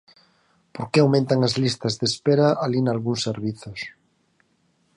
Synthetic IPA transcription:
poɾkeawmẽnt̪aŋazlist̪azðespeɾaʔalinalɣuŋsːeɾβiθos

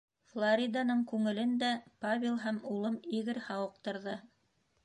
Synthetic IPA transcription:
flˠoɾʲid̪ɑnɤɴkʉŋɘ̆lɘnd̪æpaβʲɪlˠɦæmulˠɤmiɣɘɾhɑwɤ̆q̚t̪ɤ̆ɾðɤ

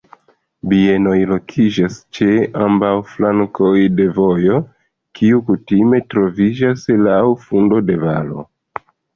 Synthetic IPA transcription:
bie̞no̞jlo̞kʰid͡ʒast͡ʃe̞ambawflaŋkʰo̞jde̞vo̞jo̞ | kiukutime̞tɾo̞vid͡ʒaslawfundo̞de̞va̰lo̞̰

